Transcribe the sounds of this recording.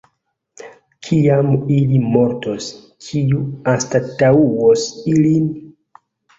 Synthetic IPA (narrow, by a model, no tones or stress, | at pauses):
kʰiamilimo̞ɾto̞s | kʰiuastatauwosilin